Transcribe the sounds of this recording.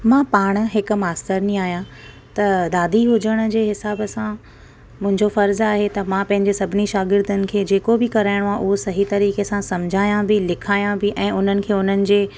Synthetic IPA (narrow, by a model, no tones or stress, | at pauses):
mãpaːɽ̃ɦɪk̆maːst̪əɾnĩaːɦijã | t̪ɐd̪aːd̪ʱiɦʊd͡ʑəɽ̃ə̆d͡ʑeːɦɪsaːbəsã | mʊ̃ɦɪ̃ɲd͡ʑofɐɾzaːɦet̪ɐmãpɐ̃ɦɪ̃ɲd͡ʑesɐbʱɪniʃaːɡɪɾd̪ʱənɪ̆kʰeːd͡ʑeːkobɪkɐɾaːɪɽ̃oãʔʊɦosɐɦit̪ɐɾiːkesãsɐmd͡ʑʱaːjãbɪlɪkʰaːjãbɪʔɛ̃ːʊn̤ənɪ̆kʰeːʊn̤ənɪ̆d͡ʑeː